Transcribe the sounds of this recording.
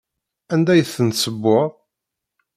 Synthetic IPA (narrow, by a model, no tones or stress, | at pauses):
ænd̪æjəθənsəbːʊʁ